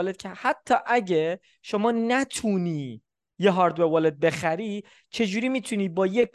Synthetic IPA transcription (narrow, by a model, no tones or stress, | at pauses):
led̪̥̚cʰehæt̪ʰːɒːʔæɟe | ʃo̞mɒːnæt̪ʰuniː | jeɦɒːɾd̪vevɒːled̪̚be̞xæɾiː | t͡ʃʰe̞d͡ʒuːɾiːmiːt̪ʰuniːbɒːjek